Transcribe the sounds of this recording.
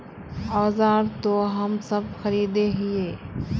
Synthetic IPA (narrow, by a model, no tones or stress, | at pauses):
ɔːzaːɾt̪oɦɐmsəbxɐɾiːd̪eɦɪeː